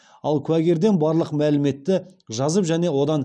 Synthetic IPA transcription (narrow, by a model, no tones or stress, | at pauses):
ɑlˠkʲʰʉæɡʲe̞ɾd̪e̞nbɑɾlˠəqmælɪme̞t̪ːɪʒɑzəpʒæne̞wo̞d̪ɑn